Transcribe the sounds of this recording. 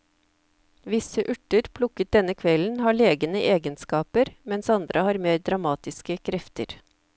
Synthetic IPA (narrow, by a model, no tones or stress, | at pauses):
ʋɪsəʔʉʈəɾpʰlʊkət̪̚d̪ɛnəkʰʋɛln̩hɑːɭeːɡənəʔeːɡənskɑːpəɾmɛnsɑnd̪ɾʔəhɑːɾmeːɾd̪ɾɑmɑːt̪ɪskəkʰɾɛft̪ə̰ɾ